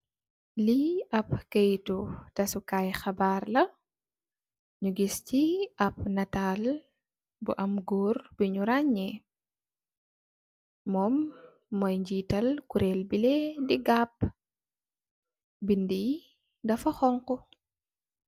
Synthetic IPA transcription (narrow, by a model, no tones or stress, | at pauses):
liɐp̚kejtutɐsukaːjxɐbaːrlɐ | ɲuɡisciʔɐp̚nɐtaːl | bṵʔɐmɡɔːrb̥iɲuɾaɲːɛ | mɔmː | ɔjɲd͡ʒiːtɐlkuɾɛlbilɛdiɡap̚ | bindij | dɐfɐxɔŋkɔ